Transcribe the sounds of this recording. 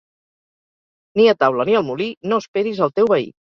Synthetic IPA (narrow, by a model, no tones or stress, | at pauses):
niət̪awləniəlˠmulinospeɾizəlˠt̪ewβəḭk